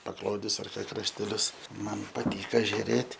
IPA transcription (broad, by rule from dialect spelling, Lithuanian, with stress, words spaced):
pɐkˈlˠoːdʲɪs ɐr krɐʃʲtʲɛˈlʲʊs ˈmɐn pɐˈtʲiːkɐ ʒʲʊˈrʲeːtʲ